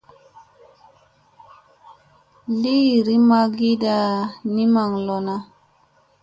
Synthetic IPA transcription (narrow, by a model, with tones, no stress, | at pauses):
li˦˨ɾi˦ma˦ɡi˦da˨ni˦ma˨ŋlɔ˨na˦